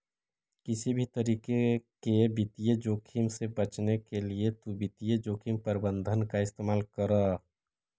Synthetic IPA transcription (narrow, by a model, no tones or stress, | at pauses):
kɪsibʱit̪əɾiːkekebit̪ijed͡ʒoːkʰimsebət͡ʃnekeliet̪ubit̪ijed͡ʒoːkʰimpəɾɪbə̃nd̪ʱənkaɪst̪eːmaːlkəɾa